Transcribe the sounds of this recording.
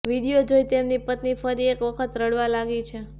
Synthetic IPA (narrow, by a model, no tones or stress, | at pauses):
ʋiɽijod͡ʒojt̪emnipət̪nifəɾiekʋəkʰət̪ɾəɽʋalaɡit͡ʃʰe